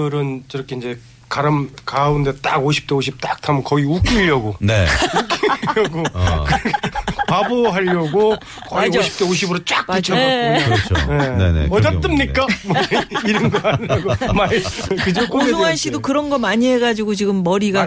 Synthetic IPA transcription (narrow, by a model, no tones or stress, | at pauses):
ɯɾɯnkɯɾʌkʰeind͡ʑe̞ | kaɾɯmkaunde̞t͈aɡoɕʰi̥p̚t͈eoɕʰip̚t͈ak̚tʰamʌnkʌiuk͈iʎːʌɡonek͈iʌɡokɯpaboɦaʎːʌɡo | kʌoɕʰi̥p̚t͈eoɕ̬ʰibɯɾot͡ɕ͈ak͈̚it͡ɕʰʌ | nḛʌtat͈ɯmɲik͈amiɾʌnɡʌaɲiɾaɡomaɭkɯd͡ʑok͈oesʰoŋaɕ͈ʰidokɯɾʌnɡʌmaɲiɦe̞ɡad͡ʑiɡot͡ɕiɡɯmːʌɾiɡa